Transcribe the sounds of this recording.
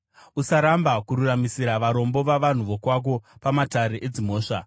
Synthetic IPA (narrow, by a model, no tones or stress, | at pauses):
usaɾambakuɾuramisiɾaʋaɾo̞mbo̞ʋaʋan̤uʋo̞kwak̬o̞pamataɾeʔed͡zimo̞ːʂa̰